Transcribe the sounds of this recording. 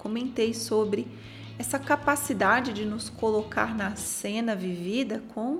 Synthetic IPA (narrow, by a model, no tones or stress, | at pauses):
kõmẽnt̪ejsobɾɪ | ɛsɐkapasid̪ad͡ʒɪd͡ʒɪnʊskoloka̰ɾnɐsẽnɐvivid̪ɐkʰõ